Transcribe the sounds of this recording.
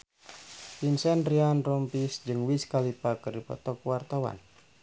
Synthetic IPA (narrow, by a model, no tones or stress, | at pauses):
pinsɛnrianrɔmpisd͡ʒɨŋwiskalipakəripɔ̰t̪ɔkwart̪awa̰n